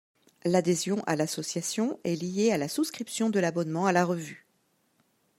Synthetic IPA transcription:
lad̪ezjɔ̃ʔalasɔsjasjɔ̃ɛlijealasuskχipsjɔ̃d̪əlabɔnmɑ̃alaʁəvy

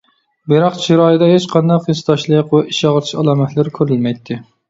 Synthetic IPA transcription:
beɾɑqt͡ʃʰiɾɑːjid̪ɑɦet͡ʃqʰɑnd̪ɑqjist̪ɑʃlˠɨqwɛʔiʃɑʁəɾʰiʃɑlˠɑːmɛt̪ʰlɪɾkʲʰøɾylmɛjt̪ʰːɪ

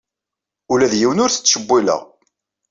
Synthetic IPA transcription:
ʊlæðjiwənʊɾθə̥t͡sːʃəbːilə̰ʁ

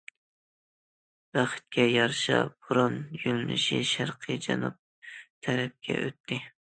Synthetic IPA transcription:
b̥æχɨ̥t̪̚kʲɛjɑɾʃɑ̰b̥uɾunjylnɪʃiʃæɾqʰɨd͡ʒɑnṵp̚ | t̪ʰæɾɛp̚kʲʰɛ̰ʔøt̪ʰːɪ

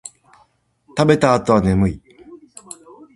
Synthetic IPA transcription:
t̪abe̞t̪aːt̪o̞βane̞mɯi

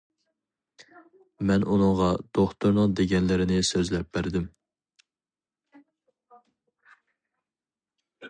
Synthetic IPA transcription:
mɛnunɨŋʁɑd̪̥oχt̪uɾnɨŋd̪eɡʲɛnlɪɾɪnɪsøzlɛp̚bæɾd̪ɪm

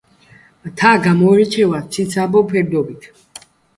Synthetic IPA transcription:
t̪ʰaɡamɔɾɛt͡ʃʰɛwat͡s̪ʰit̪sʰabɔpʰɛɾd̪ɔbit̪ʰ

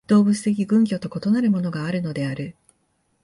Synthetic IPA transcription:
d̪̥o̞ːbɯ̟t͡sɨ̥t̪e̞kʲiɡɯ̟̃ŋkʲo̞t̪o̞ko̞t̪o̞naɾɯ̟mo̞no̞ɡaːɾɯ̟no̞d̪e̞aɾɯ̟

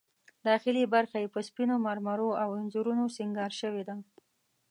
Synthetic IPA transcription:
d̪ɑːxɪlibaɾxajepəspinomaɾmaɾoawɪnzuɾunosɪŋɡɑɾʃəwed̪a

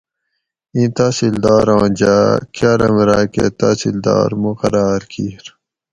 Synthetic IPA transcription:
ĩːt̪aːsild̪aːɾãːd͡ʑaːkaːɾɐmɾaːkḛt̪aːsild̪a̰ːɾmuqɐɾaːɾkʰiɾ

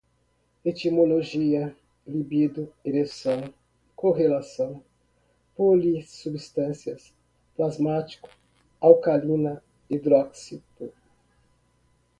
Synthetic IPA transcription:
et̪imoloʒiɐ | libid̪ʊelesɐ̃w̃ | koɦelasɐ̃w̃ | polisubist̪ɐ̃siɐs | plazmat͡ʃi̥kʊ̥ | awkalĩnɐ | id̪ɾɔksit̪u

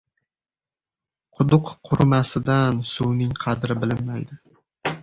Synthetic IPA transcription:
qʰʊd̪ʊqʰːʊɾmasɪd̪ansuwnɪŋqʰɑd̪ɾɪbɪlɪmːajd̪ɪ

